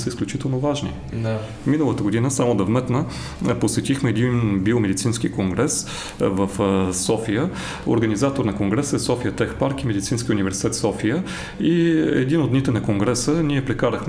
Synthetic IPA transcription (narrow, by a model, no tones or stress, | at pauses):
səisklʲut͡ʃit̪ɛlˠnovaʒnḭ | d̪ | minəlˠət̪əɡod̪inəsamod̪ɐvmɛt̪nə | posɛt̪ixmɛɛd̪inbiomɛd̪it̪sinskikoŋɡɾɛs | vəfsɔfijə | o̰ɾɡənizat̪oɾnɐkoŋɡɾɛsɛsɔfijət̪ɛxpaɾkimɛd̪it̪sinskʲiəunivɛɾsi̥t̪ɛt̪sɔfijə | iɛ̰d̪inod̪nit̪ɛnɐkoŋɡɾɛsəniɛpɾɛkaɾəxm